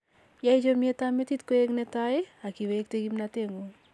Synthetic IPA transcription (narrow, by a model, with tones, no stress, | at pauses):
ja˦ɪ˦d͡ʒomie˦tame˦titko˦e˦ŋnɛtaɪ˦a˨ki˨wek̚te˦ɡi˦mnate˦ŋo˨